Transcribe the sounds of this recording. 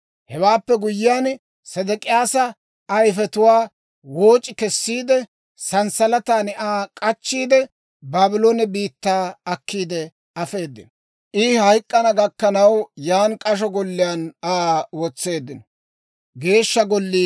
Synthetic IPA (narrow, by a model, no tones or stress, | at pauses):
hɛwaːpːɛɡʊjːɪjaːn | sɛd̪ɛkʼɪjaːsɐ | ɐjfɛt̪ʊwaː | wo̞ːt͡ʃʼɪkɛsːiːd̪ɛ | sɐnsɐlɐt̪aːnɪʔaːkʼɐt͡ʃːiːd̪ɛ | baːbɪloːnɛbiːt̪ːaːɐkːiːd̪ɛ | ɐfe̞ːd̪ːɪ̰nɔ | ʔɪhɐjkʼːɐnɐɡɐkːɐnɐwjaːnkʼɐʃ̬ɔɡɔlːɪjaːnaːwɔt͡sːe̞ːd̪ːɪnɔ | ɡe̞ːʃːɐɡɔlːiː